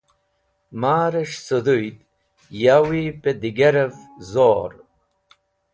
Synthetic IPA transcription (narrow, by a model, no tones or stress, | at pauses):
maːɾɐɕsod̪ujd̪ | jawiped̪iɡeɾevzoːɾ